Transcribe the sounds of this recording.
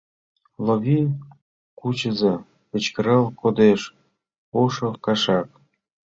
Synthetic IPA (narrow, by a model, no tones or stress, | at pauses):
loβʲi | kut͡ɕə̆zɤ | pə̆t͡ɕkə̆ɾɤlkod̪eʃ | oʃɤkɑʃɑk